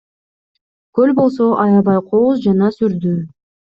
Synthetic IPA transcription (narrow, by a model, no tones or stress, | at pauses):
kølbo̞lˠso̞ʔɑjɑβɑjqʰozd͡ʒɑnɑsyɾd̪y